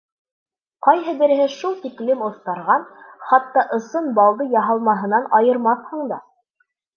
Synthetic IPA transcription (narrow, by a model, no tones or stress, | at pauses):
qɑjɦɤbɘ̆ɾɘ̆ɦɘʃulˠt̪iklɘmŏθt̪ɑɾʁɑnχɑt̪ːɑʔɤ̆sɤnbɑlˠd̪ɤjɑɦɑlˠmɑɦɤ̆nɑnɑjɤ̆ɾmɑθhɤ̆ɴd̪ɑ